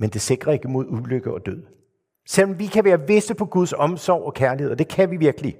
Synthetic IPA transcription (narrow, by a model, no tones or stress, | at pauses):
mend̥e̝se̝ɡ̥ʁɐe̝ɡ̥əmo̝ð̞ˠuløɡ̥əɒ̽d̥øð̞̰ˠ | sel̰ɒmʋikʰæʋæːɐʋe̝səpʰɒ̽ɡ̥uð̞ˠsɒ̽msɒʊ̰ɒ̽kʰæɐliheð̰ˠɒd̥e̝kʰæʋiʋiɐɡ̥əli